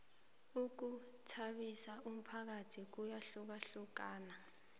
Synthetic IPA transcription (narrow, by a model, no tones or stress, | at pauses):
uk̬u | tʰaɓisaʔum̩pʰak̬atʰik̬ujaɬuk̬aɬuk̬aːna